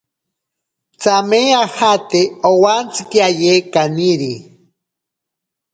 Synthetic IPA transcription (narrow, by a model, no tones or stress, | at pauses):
t͡sameahat̪eowant͡sikiajekaniɾi